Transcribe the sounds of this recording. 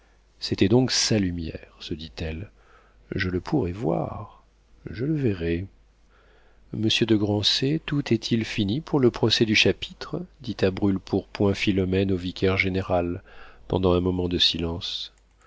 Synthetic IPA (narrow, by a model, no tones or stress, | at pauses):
set̪ɛd̪ɔ̃ksalymjɛ̰ʁsəd̪it̪ɛl | ʒələpʰuʁɛvwa̰ʁ | ʒələvɛʁɛ | məsjød̪əɡʁɑ̃set̪ut̪ɛt̪ʰilfinipuʁləpχɔsɛd̪yʃapi̥t̪χd̪it̪abʁylpʰuʁpwɛ̃filɔmɛnovikʲɛʁʒeneʁalpɑ̰̃d̪ɑ̃ɛ̃mɔmɑ̃d̪əsilɑ̃s